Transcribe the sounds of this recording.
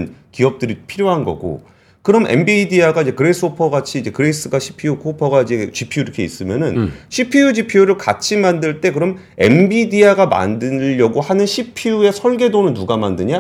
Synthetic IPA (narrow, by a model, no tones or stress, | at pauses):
nkiʌp̚t͈ɯɾipʰiɾjoɦanɡʌ̰ɡo̰ | kɯɾʌmḛmbidiaɡaid͡ʑe̞kɯɾes͈ʰɯopʰʌɡat͡ɕʰiːd͡ʑe̞kɯɾes͈ɯɡaɕʰi̥pʰijukʰopʰʌɡaid͡ʑe̞t͡ɕipʰiuiɾʌkʰe̞is͈ɯmjʌnɯnɕʰipʰijud͡ʑipʰijuɾɯɭkat͡ɕʰimandɯɭt͈e̞kɯɾʌm | e̞̰mbidiaɡama̰ndɯʎːʌɡohanɯnɕʰipʰiue̞sʰʌɭɡe̞donɯnːuɡamandɯɲa